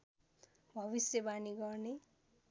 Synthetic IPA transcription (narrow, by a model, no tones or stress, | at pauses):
bʱʌβisjʌbaniɡʌrne